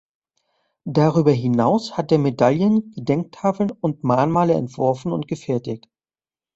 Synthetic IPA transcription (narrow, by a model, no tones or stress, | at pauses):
d̥aʁyːbɐɦɪnaʊshat̚deːɐmedaljənɡ̥ədɛŋk̚tʰaːfl̩nʊntmaːnmaːləɛ̰ntv̥ʊɐfn̩ʊntɡ̥əfɛɐtɪç̚t